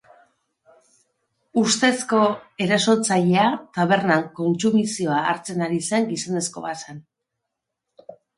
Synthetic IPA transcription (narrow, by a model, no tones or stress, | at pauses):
ust̪e̞sko̞e̞ɾaso̞t͡saʎe̞at̪aβ̞e̞ɾnaŋko̞nt͡sumisio̞aːɾt͡se̞naɾiseŋɡisane̞sko̞̰βasan